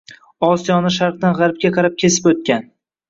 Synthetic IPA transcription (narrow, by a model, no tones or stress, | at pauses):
ɒsijɒnɪʃ̬aɾq̚d̪anʁɑɾp̚kʲaqʰɑɾɪp̚kʲʰesɪ̥pot̪̚kʲan